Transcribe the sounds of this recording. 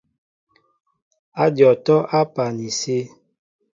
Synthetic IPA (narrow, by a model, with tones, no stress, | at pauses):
a˦djɔ˨tɔ˦ʔa˦pa˨ni˨se˦